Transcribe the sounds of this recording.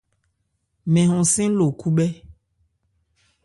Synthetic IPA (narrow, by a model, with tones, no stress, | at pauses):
mɛ̃˨ɦɔ̃˨sẽ˦lo˨ku˦bɛ˦